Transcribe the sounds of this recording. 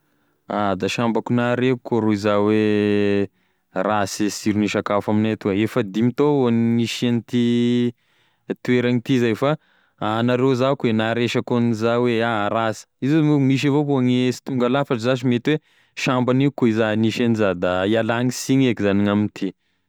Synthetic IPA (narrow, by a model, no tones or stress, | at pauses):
ad̪aʃambakunaɾeukʰoɾoizawe | rasisiɾuniʃakafaminat̪uaefəd̪imit̪oonniʃanit̪i | t̪ueɾaŋit̪izajfa | anaɾezakwenaɾeʃakonizaweaɾasi̥izumiʃ̬avoɦoaŋiesi̥t̪uŋɡalafaʈ͡ʂizaʃimet̪we | ʃambaniukoizaniʃenizad̪aialaŋisiɲekizaniŋamint̪ʰi